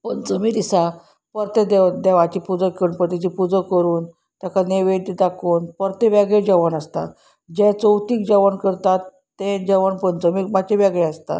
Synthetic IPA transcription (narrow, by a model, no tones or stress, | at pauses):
pənt͡səmid̪isa | pəɾt̪ed̪ed̪eʋat͡ɕipud͡zəkːeɾunpəɾt̪et͡ɕipud͡zəkːəɾuːn | t̪jakaneʋet̪id̪akʰuːnpəɾt̪eʋaɡed͡ʑəʋənast̪a̰ | d͡ʑɛ̃t͡səwt̪iːk̚d͡ʑəʋənkəɾt̪at̪ːẽd͡ʑəʋəɳpənt͡səmiːmat͡ɕeʋaɡɭeast̪a̰